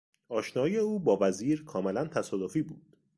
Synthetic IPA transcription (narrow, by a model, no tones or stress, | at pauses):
ɒːʃnɒːje̞uːbɒːvæziːɾkʰɒːmelænt̪ʰæsɒːd̪ofiːbuːd̪̥